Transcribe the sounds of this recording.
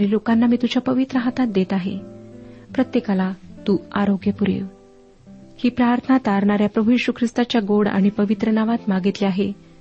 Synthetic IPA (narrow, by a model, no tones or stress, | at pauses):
ɾiːlokanːamiːt̪ut͡ɕjapəʋit̪ɾəɦat̪at̪̚d̪et̪aɦḛ | pɾət̪jekalat̪uːaɾoɡjəpuɾḭʋ | hiːpɾaɾt̪ʰənat̪aɾɳaɾjapɾəbʱujiɕukʰɾist̪at͡ɕjaɡoɽa̰ɽ̃ipəʋit̪ɾənaʋat̪maɡit̪liaɦe